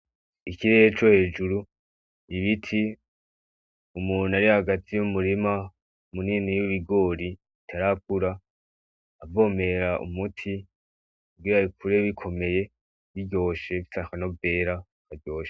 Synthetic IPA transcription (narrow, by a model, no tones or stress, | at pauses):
ikiɾejet͡ʃo̞he̞ːd͡ʒuɾu | iβitʰi | umuːnaɾihaɡatʰijumuɾima | muninijuβiɡo̞ːɾi | itʰaɾak̚uɾaː | bvo̞ːme̞ɾaʔṵmutʰi | kubɡiɾaikuɾe̞βikʰo̞me̞je̞ | βiɟo̞ːʃe̞βisakano̞ve̞ːɾa | kaɟo̞ːʃe̥